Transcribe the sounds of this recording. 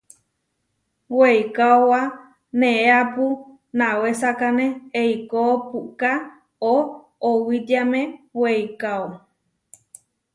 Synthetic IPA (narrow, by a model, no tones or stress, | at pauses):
weikaowa | nẽʔeapu | nãwesakanẽeikopuka | oː | wit̪amẽweikao